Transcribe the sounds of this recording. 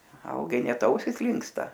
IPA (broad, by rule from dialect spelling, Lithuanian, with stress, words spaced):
ˈʋɐlˠɡɐɪ ˈnʲɛt ˈɐʊsʲɪs ˈlʲɪŋkstɐ